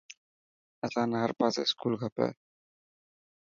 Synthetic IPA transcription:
ɛsanaɾpasɛ̰skulɡʰʱapɛ̰

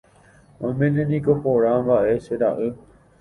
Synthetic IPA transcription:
õmẽnẽnĩkopoɾãmbaʔeseɾaʔɨ

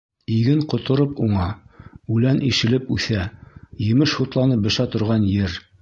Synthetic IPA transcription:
iɡɘɴqŏt̪ŏɾɤpuɴɑʉlænʔiʃɘ̆lɘpʉθæjɘ̆mɘʃhut̪lˠɑnɤp̚bɤ̆ʃæt̪ŏɾʁɑnjɘɾ

